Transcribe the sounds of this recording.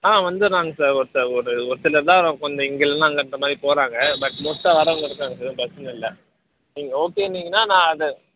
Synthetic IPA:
aːʋɐnd̪ɯɾnaːŋɡɐsaːɾɔɾɯt̪ːɐːɾɔɾɯɔɾɯsɪlɐɾt̪ãːʋɾɐ̃ːkɔɲd͡ʒɐ̃ɪŋɡɐlɐnãːŋɡɐnːɐmaːd̪ɾipoːɾãːŋɡɐbɐʈmɔt̪ːɐ̃ʋɐɾɐɡɐɽɯkːaːŋɡɐsaːðpɐsɐnɐ̃ɪlːɛ | niːŋɡɐoːkeːnːiːŋɡɐnːaːnãːɐðɯ

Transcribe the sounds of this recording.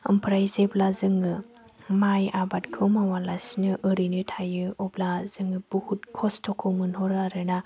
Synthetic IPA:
ɯ̰mpʰɾajzeblazɯŋɯ | majabatkʰɯwmawalasnɯʔəɾinɯtʰajɯɔblazɯŋɯb̥uhut̚kʰɔstʰɔkʰɯwmɯnɦɔɾaɾɯna

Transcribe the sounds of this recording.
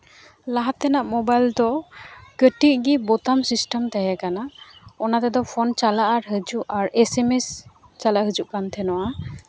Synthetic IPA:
laɦat̪ɛnaʔmɔbajld̪ɔkəʈiʔɡibɔt̪amsisʈəmt̪ɛjɛkanaɔnat̪ɛd̪ɔpʰɔnt͡ʃalaʔaɾɦəd͡ʒuʔaɾesemes | t͡ʃalaʔɦəd͡ʒuʔkant̪ʰɛnɔwa

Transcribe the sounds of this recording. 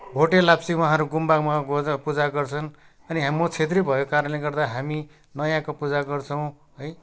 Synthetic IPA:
bʱoʈelabsiwʌ̃ɦãɾuɡumbakmaɡpud͡zaɡʌrt͡sʰʌn | ʌniɦamʌt͡sʰet̪̬ribʱʌjokaɾʌnleɡʌrd̪aɦami | nʌjãkopud͡zaɡʌrt͡sʰʌw̃ | ɦʌj

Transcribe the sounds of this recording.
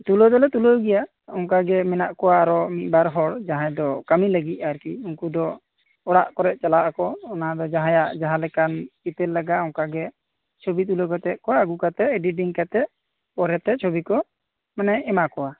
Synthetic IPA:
t̪ulod̪ɔlɛt̪ulɔjɡɛja | ɔŋkaɡɛmɛnaʔkɔwaːɾɔmit̪̚ˀbaɾɦɔɽd͡ʒaɦãjd̪ɔkamiləɡit̪̚ˀaɾkiuŋkud̪ɔ | ɔɽaʔkɔɾɛʔ̚t͡ʃalaʔakɔːnad̪ɔd͡ʒaɦãjaʔd͡ʒaɦãlɛkanit̪ɛlːaɡaɔŋkaɡɛ | t͡ʃʰobit̪̬ulokɔt̪ɛt̪̚kɔwaɡukat̪ɛɖiɖiŋkat̪ɛ | pɔɾɛt̪ɛt͡ʃʰobikɔ | manɛɛmakɔwa

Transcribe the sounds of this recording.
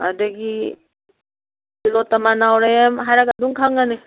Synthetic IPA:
a̰daɡi | silɔtːamanawɾajamɦajɾaɡaduŋkʰaŋane

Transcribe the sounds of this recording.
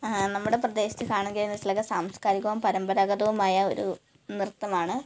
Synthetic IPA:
nɐmːuɽe̞prɐd̪e̞ːɕi̥t͡ɕːɨkaːɳɐnɡɐjindɐsilɐkːɐsaːmskaːɾikʲːɐʋɐmpɐɾɐmbɐɾaɣɐd̪ɐʋumaːjɐo̞̰ɾṵ | nirt̪ːɐmaːɳɨ

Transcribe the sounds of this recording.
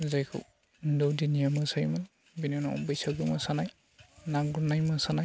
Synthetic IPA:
zajkʰɯ̰w | dɔwdinijamasajman | binunaɔ̰bɯjsaɡɯmasanaj | naɡuɾnajmasanaj

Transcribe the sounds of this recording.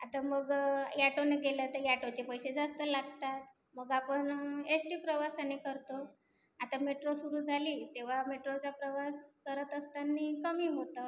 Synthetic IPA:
at̪aməɡjaʈoneɡelət̪əɾjaʈot͡ɕepəjsed͡zast̪əlaɡt̪at̪̚ | məɡapəɳesʈiːpɾəʋasanekəɾt̪o | at̪ameʈɾosuɾuːd͡zʱaliːt̪eʋ̤ameʈɾot͡ɕapɾəʋaskəɾət̪əst̪anːiːkəmiːmɦot̪ə

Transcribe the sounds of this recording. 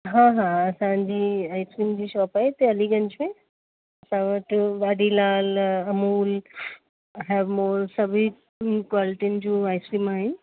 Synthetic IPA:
ɦãːɦãɐsãd͡ʑiːaːɪskɾiːmd͡ʑiːʃɔːpaːɦet̪eɐliɡɐ̃ɲd͡ʑmẽ | ɐsãʋɐʈʋaːɖilaːlɐmuːl | ɦɛːʋmoːlsɐbʱi | kwaːlɪʈiʊnɪ̆d͡ʑũːaːɪskɾiːmaːɦɪnɪ̆

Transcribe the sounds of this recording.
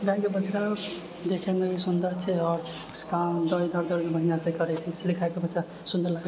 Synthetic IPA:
ɡakebət͡ʃɾa | d̪ekʰɛnebisund̪əɾt͡ʃʰɛɔːɾ | skad̪əjd̪ʱəɾd̪ʱəɾmebʱəɦijãsẽkəɾɛt͡ʃʰɛslikʰajkebət͡ʃɾa | sund̪əɾlaɡe

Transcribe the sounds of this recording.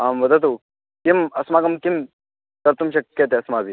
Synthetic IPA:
amʋɐd̪ət̪u | kimɐsmaɡɐmkim | t̪ɐɾt̪umɕɐkjɐt̪̬eɐsmabʱi

